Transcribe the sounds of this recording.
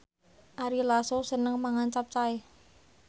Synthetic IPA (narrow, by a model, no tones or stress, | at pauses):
ʔaɾilasosənəŋmaŋant͡ʃap̚t͡ʃae